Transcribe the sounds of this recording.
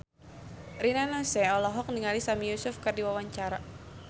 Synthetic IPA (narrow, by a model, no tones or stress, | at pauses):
rinanɔsɛɔlɔɦɔk̚niŋalisamijusʊfkɨrdiwawaɲt͡ʃaɾa